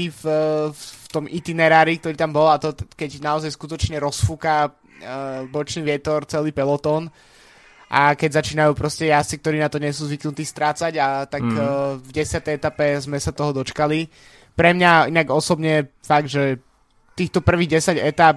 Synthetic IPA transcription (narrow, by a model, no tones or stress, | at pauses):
if | t̪ɔmit̪inɛɾaːɾik̚t̪ɔɾiːt̪ambɔlat̪ɔkɛɟnaɔzajskut̪ɔt͡ʃɲɛɾɔsfuːka | bɔt͡ʃniːʋɪɛt̪ɔɾt͡sɛliːpɛlɔt̪ɔn | ʔakɛɟzat͡ʃiːnajuːpɾɔscɛjast͡sikt̪ɔɾiːnat̪ɔɲɛs̬uːzʋiknut̪iːst̪ɾaːt͡saɟat̪akvɟɛsɪat̪ɛjɛt̪apɛzmɛsat̪ɔɦɔd̪ɔt͡ʃkali | pɾɛmɲainaɡɔsɔbɲɛɛfaɡʒɛ | t̪iːxt̪ɔpr̩ʋiːɣɟɛsaɟɛt̪ap